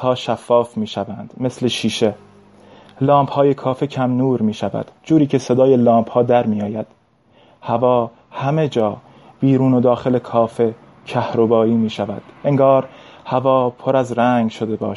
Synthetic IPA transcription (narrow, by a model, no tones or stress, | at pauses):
hɒːʃæfːɒːfmiːʃævænd̪̥me̞sle̞ʃiːʃe̞ | lɒːmphɒːje̞kʰɒːfecʰæmnuːɾmiːʃævæ̰d̪̥d͡ʒuːɾiːkcʰe̞se̞d̪ɒːje̞lɒːmbhɒːd̪æɾmiːjɒːjæd̪̥ | hævɒː | hæme̞d͡ʒɒː | b̥iːɾuːno̞d̪ɒːxe̞le̞kʰɒːfe̞ | cʰæhɾo̞bɒːiːmiːʃævæ̰d̪̥ʔeŋɡɒːɾhævɒːpʰo̞ɾæzɾæŋɡʃo̞d̪e̞bɒ̰ːʃ